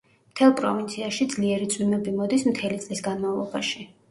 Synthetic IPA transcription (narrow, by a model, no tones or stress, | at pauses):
mt̪ʰɛlˠpʼɾɔ̰vint̪sʰiaʃid̪zliɛɾit̪sʼwimɛbimɔd̪ismt̪ʰɛlit̪sʼlisɡanmavlˠɔba̰ʃi